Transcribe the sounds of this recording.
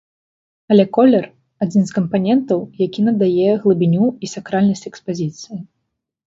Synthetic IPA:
ɐlʲɛkɔlʲɛr | ad͡zʲinskɐmpanʲɛnt̪ɐwjakʲinɐd̪ajɛɣlˠɨbʲinʲuisakɾalʲnɐsʲt͡sʲɛkspazʲit̪sɨji

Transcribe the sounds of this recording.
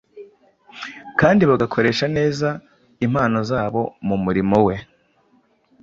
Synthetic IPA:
kaːndiβaɡakʰo̞ɾe̞ːʃane̞ːza | im̥aːno̞zaːβo̞mumuɾimo̞we̞

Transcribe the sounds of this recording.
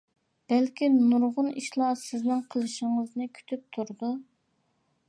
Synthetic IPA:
b̥ælkʲʰinuɾʁʊniʃlˠɑsɪznɪŋqʰəlˠɨʃɪŋəznɨkʲʰy̥t̪ʰyp̚t̪ʰuɾd̪u

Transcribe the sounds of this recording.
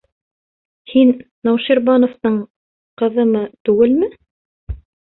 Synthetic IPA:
hinː | ɑwʃiɾbɑnŏft̪ɤɴ | qɤ̆ðɤmɤt̪ʉɡɘlmɘ

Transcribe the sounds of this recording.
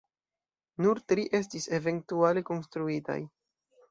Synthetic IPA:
nuɾtɾiʔe̞s̬tise̞ve̞ntualeko̞nstɾuita̰j

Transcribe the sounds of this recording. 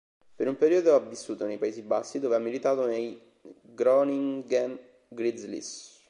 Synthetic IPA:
peɾumpeɾiːod̪oavːisːuːt̪onejpaezibasːid̪oːveamːilit̪aːt̪onej | ɡɾɔniŋɡan | ɡɾizlḭs

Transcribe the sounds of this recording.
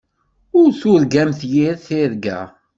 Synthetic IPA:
ʊɾθʊɾɡæmθjiɾθɪɾɡæ̰

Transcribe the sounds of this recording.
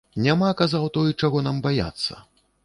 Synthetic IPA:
nʲamakazawt̪ɔjt͡ʂaɣɔnambaja̰t̪sːɐ̰

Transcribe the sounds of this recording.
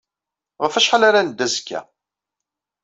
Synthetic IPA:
ʁəfæʃħalaɾanəd̪ːæzkːæ̰

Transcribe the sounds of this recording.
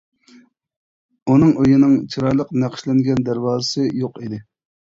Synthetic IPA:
unɨŋʔøjinɨŋt͡ʃʰiɾɑjlˠəqnæqʰʃlɛnɡʲɛnd̪æɾwɑːzɨsɨjoqid̪ɪ

